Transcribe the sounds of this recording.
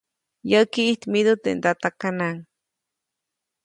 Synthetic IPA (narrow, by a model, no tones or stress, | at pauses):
jəkiːht̪mid̪ut̪ḛnt̪at̪akanaŋ